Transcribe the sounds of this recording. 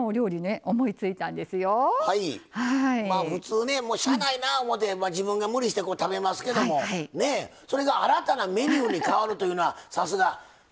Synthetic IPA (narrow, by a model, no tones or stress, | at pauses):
oɾʲo̞ːɾʲineʔomo̞it͡sɨit̪ãnd̪e̞sɨjo̞haihaimaːɸɯ̟t͡sɨːne̞moːɕaainaomo̞t̪ːe̞mad͡ʑibɯ̟̃ŋɡamɯ̟ɾʲiɕi̥t̪e̞ko̞ːt̪abe̞masɨ̥ke̞d̪o̞mo̞aine̞so̞ɾe̞ɡaaɾat̪aname̞ɲʲiɯɲ̟ikaβaɾɯ̟t̪o̞jɯ̟no̞asasɨɡa